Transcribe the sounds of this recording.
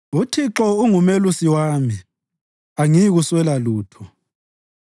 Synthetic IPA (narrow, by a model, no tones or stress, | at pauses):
utʰiǁɔuŋumelusiwaːmi | aŋijiɣuswɛlaluːtʰɔ